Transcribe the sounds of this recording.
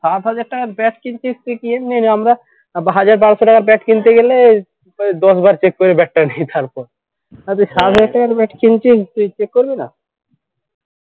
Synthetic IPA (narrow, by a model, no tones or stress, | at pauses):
ʃat̪ɦad͡ʑaɾ̚ʈakaɾbɛʈkint͡ɕʰist̪ujkiemniniamɾa | bɦad͡ʑaɾbaɽoʃoʈakaɾbɛʈkint̪eɡele | d̪ɔʃbaɾt͡ɕekːoɾebɛʈːanejt̪aɾpɔɾ | at̪̬uʃat̪ɦad͡ʑaɾʈakaɾbɛʈkint͡ɕist̪ujt͡ɕekːoɾbina̰